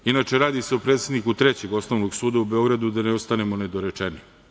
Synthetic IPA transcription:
inat͡ʃe̞ɾaːd̪ise̞opɾe̞ːt̪se̞d̪nikut̪ɾet͡ɕe̞ɡo̞snoʋnoɡsuːd̪aube̞o̞ɡɾad̪ud̪aneost̪anemo̞ned̪oɾet͡ʂeni

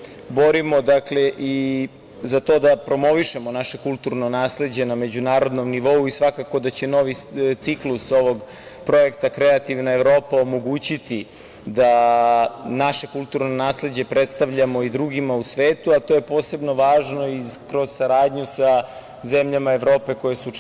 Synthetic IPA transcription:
bo̞ɾimo̞d̪akle̞ʔi | zat̪o̞ːd̪apɾo̞mo̞ʋiʃemo̞naʃe̞kulˠt̪uɾno̞naːsle̞d͡ʑe̞name̞d͡ʑunaːɾo̞d̪no̞mniʋo̞uisʋakako̞d̪at͡ɕe̞no̞ʋit̪sikluso̞ʋo̞ɡ | pɾo̞je̞kt̪akɾeat̪iʋnaevɾo̞ːpaomo̞ɡuːt͡ɕit̪i | d̪a | naʃe̞kulˠt̪uɾnonaːsle̞d͡ʑe̞pɾet̪st̪aʋʎamo̞id̪ɾuɡimausʋeːt̪uat̪oje̞po̞ːse̞bno̞ʋaːʒno̞ikɾo̞z̥saɾaːd̪ɲusa | zemʎamaeʋɾo̞ːpe̞ko̞jesu

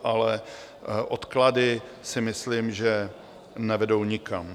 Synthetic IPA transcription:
ʔalɛ | ʔot̪kladɪ | sɪmɪslimʒɛ | nɛvɛdo̞wɲɪkam

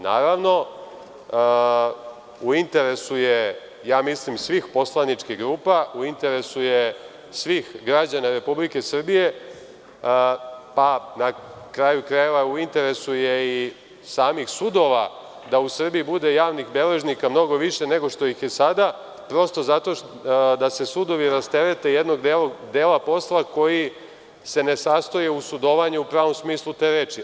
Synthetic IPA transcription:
na̰ːɾaʋno̞ | uint̪e̞ɾe̞suje | jaːmislimsʋixpo̞slˠanit͡ʃkiɣɡɾuːpauint̪e̞ɾe̞suje | sʋixɡɾad͡ʑanaɾe̞publike̞sr̩bije̞ | panakɾaːjukɾajeʋauint̪e̞ɾe̞sujei | saːmixsud̪o̞ʋa | d̪ausr̩bijibud̪e̞jaːʋnixbe̞le̞ʒnikamno̞ɡo̞ʋiʃe̞ne̞ɡo̞ʃt̪o̞jixjesad̪a | pɾo̞st̪o̞zat̪o̞ | d̪ase̞sud̪o̞ʋiɾast̪eɾe̞t̪e̞jed̪no̞ɡd̪eld̪eːlapo̞slˠako̞ji | se̞ne̞sast̪ojeusud̪o̞ʋaɲeupɾaːʋomsmiːslˠut̪e̞ːɾeːt͡ʃi

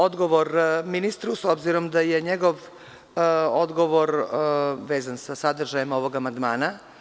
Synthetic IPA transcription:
od̪ɡoʋoɾminist̪ɾusobziɾo̞md̪ajeɲeɡo̞ʋ | od̪ɡoʋoɾ | ʋeːzansasad̪r̩ʒajimo̞ʋo̞ɡamand̪maːna

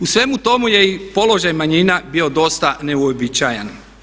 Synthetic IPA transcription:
usʋe̞mut̪o̞muje̞ipo̞lo̞ʒajmaɲinabio̞d̪o̞st̪ane̞uobit͡ɕaːja̰n

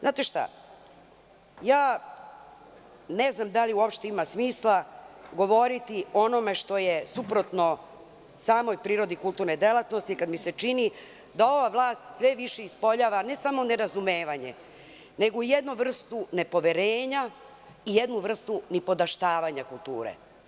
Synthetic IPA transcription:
zaːt̪e̞ʃt̪a̰ | jaː | ne̞znamd̪aliuo̞pʃt̪eimasmiːslˠaɡo̞ʋo̞ɾit̪io̞no̞me̞ʃt̪o̞jesupɾo̞t̪no̞ | saːmo̞jpɾiːɾo̞d̪ikulˠt̪uːɾned̪e̞lat̪no̞st̪ikad̪miset͡ʃini | d̪ao̞ʋaʋlˠaːst̪sʋe̞ʋiʃeispoʎaːʋane̞samo̞ne̞ɾazumeːʋaɲe̞̰ | ne̞ɡoije̞d̪nuʋr̩st̪une̞po̞ʋeɾeːɲa | ije̞d̪nuʋr̩st̪unipo̞d̪aʃt̪aːʋaɲakulˠt̪ṵːɾḛ

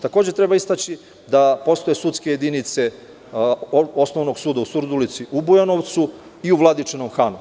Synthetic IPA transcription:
t̪ako̞ːd͡ʑe̞t̪ɾe̞baist̪at͡ɕi | d̪apo̞st̪o̞je̞sut̪ske̞jed̪init̪se̞ | o̞sno̞ʋno̞ɡsuːd̪ausuɾd̪ulit̪siʔubujano̞ʋt̪su | iuʋlˠad̪it͡ʂenomxaːnu

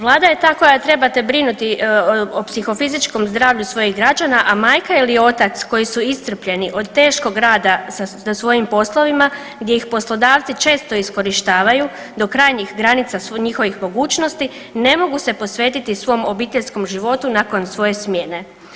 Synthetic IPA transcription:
ʋlˠaːd̪aje̞t̪aːko̞jat̪ɾe̞bat̪e̞bɾinut̪iopsixo̞fizit͡ʃko̞mzd̪ɾaːʋʎusʋo̞jiɣɡɾad͡ʒanaʔamaːjkailio̞t̪at̪sko̞jisuist̪r̩pʎe̞niʔo̞d̪̚t̪e̞ːʃko̞ɡɾaːd̪as | asʋo̞jimpo̞slˠo̞ʋima | ɡd̪je̞ixpo̞slo̞d̪aːʋt̪sit͡ʃe̞ːst̪o̞isko̞ɾiʃt̪aːʋaju | d̪o̞kɾaːjɲixɡɾanit̪sasɲixo̞ʋixmo̞ɡuːt͡ʃno̞st̪i | ne̞mo̞ɡuse̞po̞sʋe̞ːt̪it̪isʋo̞mo̞biːt̪e̞ʎʲsko̞mʒiʋo̞t̪unako̞nsʋo̞je̞smje̞ːne̞

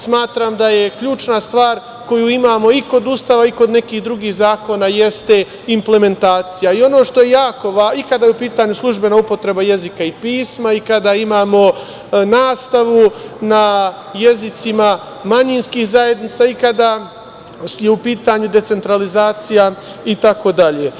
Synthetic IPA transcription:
smaːt̪ɾamd̪aje̞kʎuːt͡ʃnast̪ʋaːɾ | ko̞juːimaːmo̞iko̞d̪ust̪aːʋaiko̞d̪ne̞kiːhd̪ɾuɡiːhzaːko̞naje̞st̪e̞ | imple̞me̞nt̪aːt̪sijaio̞no̞ːʃt̪ojejaːko̞ʋaikad̪ajeupiːt̪aɲuslˠuʒbe̞naupo̞t̪ɾe̞baje̞zikaipiːsmaikad̪aimaːmo̞ | naːst̪aʋuna | je̞zit̪sima | maɲinskiːhzaje̞d̪nit̪saːikad̪a | jeupiːt̪aɲud̪e̞t̪se̞nt̪ɾalizaːt̪sija | it̪ako̞d̪aʎeː

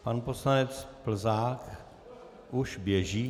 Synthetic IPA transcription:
panposlanɛt͡splzaːk | ʔuʃbjɛʒiː

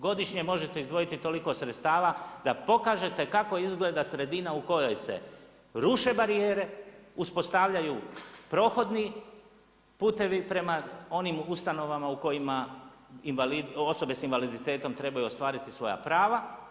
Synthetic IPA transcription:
ɡo̞d̪iʃɲe̞mo̞ʒet̪e̞izd̪ʋo̞jit̪it̪o̞liko̞sɾet̪st̪aːʋad̪apo̞kaːʒe̞t̪e̞kako̞izɡle̞ːd̪asɾe̞d̪inauko̞jo̞jse̞̰ | ɾuʃe̞baɾieːɾe̞uspo̞st̪aʋʎajupɾo̞ːxo̞d̪ni | puːt̪e̞ʋipɾe̞mao̞nimust̪ano̞ʋamauko̞jima | inalio̞so̞be̞sinʋalid̪it̪e̞ːt̪o̞mt̪ɾe̞bajuo̞st̪ʋaːɾit̪isʋo̞ja̰pɾaːʋa

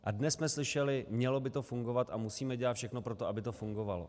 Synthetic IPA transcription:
ʔadnɛsmɛslɪʃɛlɪmɲɛlo̞bɪt̪o̞fuŋɡo̞vat̪ʔamusiːmɛɟɛlat̪fʃɛxnopɾo̞t̪oʔabɪt̪o̞fuŋɡo̞valo̰

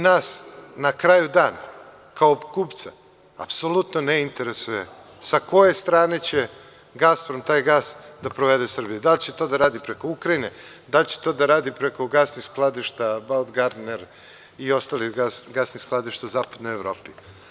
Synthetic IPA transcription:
naːsnakɾaːjud̪aːna | kaobkuːpt̪sa | a̰pso̞lut̪noneint̪e̞ɾesuje̞ | sako̞je̞st̪ɾaːne̞t͡ɕe̞ | ɡaspɾomt̪aːjɡaːsd̪apɾoʋe̞d̪e̞sr̩bijud̪alʲt͡ɕet̪o̞d̪aɾaːd̪ipɾe̞ko̞ukɾaine̞ | d̪alt͡ɕe̥t̪o̞ːd̪aɾaːd̪ipɾe̞ko̞ɡasnixsklˠad̪iʃt̪abad̪ɡaɾd̪neɾ | io̞st̪aːliɡasɡasnisklˠad̪iʃt̪auzaːpad̪no̞jevɾo̞̰ːpi

